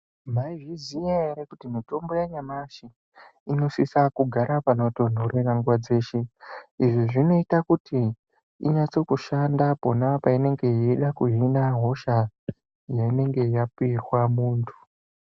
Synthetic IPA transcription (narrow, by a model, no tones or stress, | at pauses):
m̤aiʐizijaeɾekutimito̞mbo̞jaɲamaʃi | ino̞sisakuɡʱaɾapanoton̤orenaŋɡwad͡ze̞ːʃeiʐiʐino̞itakutḭː | ɲat͡so̞kuʃandapo̞napaine̞ŋɡe̞eɗakuɦinaɦo̞ʃa | jaine̞ŋɡe̞japiixwamuːntʰu̥